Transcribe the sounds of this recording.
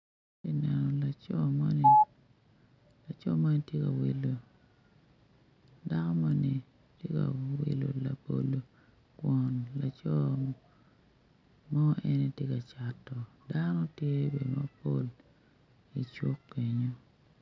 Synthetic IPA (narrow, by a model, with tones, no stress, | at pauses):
e˦nɛ˨nɔ˨la˨t͡ʃɔ˦ma˦ni˦ | la˨t͡ʃɔ˦ma˦˨n˦tje˦ka˨wi˨lo˨ | da˦kɔ˦ma˦ni˨ | tje˦ka̰˨wḭ˨lo̰˨la̰˨bo̰˨lo˨ | kwɔ˨nla˨t͡ʃɔ˦ | mɔ˦ɛ˦ne˦tje˦ka˨t͡ʃa˨tːɔ˨ | danɔ˦tje˦be˨do˨ma˦po˦l | i˨t͡ʃwo˦kːe˨ɲo˦